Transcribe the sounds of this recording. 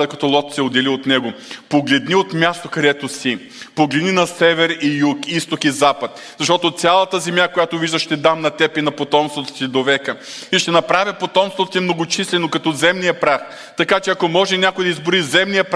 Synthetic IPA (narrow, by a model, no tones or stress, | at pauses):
ɛkɐt̪ɔlˠɔt̪sɛod̪ɛliot̪nɛɡopoɡlɛd̪niot̪mʲjast̪okɐd̪ɛt̪osi | poɡlɛd̪ninɐsɛvɛɾijukist̪okizapət̪ | zɐʃt̪ɔt̪ot̪sʲalˠɐt̪əzɛmjakojat̪oviʒd̪əʃːt̪ɛd̪amnɐt̪ɛpinɐpot̪ɔmst̪vɐt̪ɐ̥sid̪ovɛkəiʃt̪ɛnɐpɾavʲipot̪ɔmst̪vot̪ot̪imnoɡot͡ʃislɛnokɐt̪ɔzɛmnijɐpɾax | t̪ɐkat͡ʃɛɐkomɔʒɛnʲakʊjd̪ɐizboɾizɛmnijəp